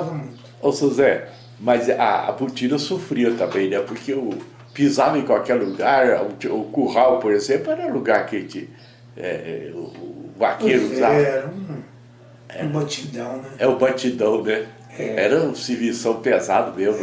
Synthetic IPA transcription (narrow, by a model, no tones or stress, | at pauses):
avɐmũjt̪ | owseʒɐɛ | mɐza̰a̰but͡ʃinɐsofɾiɐt̪ɐ̃mbẽj̃nɛpoɾkeʊ | pizavɐẽj̃kawkɛɾluɡaɾʊt͡ʃʊkuhawpoɾezẽplʊɛɾɐũluɡaɾket͡ʃɪ | ɛ̰ | vakeɾʊsa | ɛbat͡ʃid̪ɐ̃w̃nɛɛʊbɐt͡ʃid̪ɐ̃w̃nɛ | ɛɛɾɐʊ̃sɪvisɐ̃w̃pezad̪ɐmezmʊ